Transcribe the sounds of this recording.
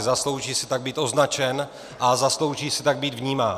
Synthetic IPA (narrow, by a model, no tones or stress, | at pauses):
zaslo̞wʒiːsɛ̥t̪aɡ̚biːt̪ʔo̞znat͡ʃɛn | ʔazaslo̞wʒiːsɛt̪aɡ̚biːd̪vɲiːmaː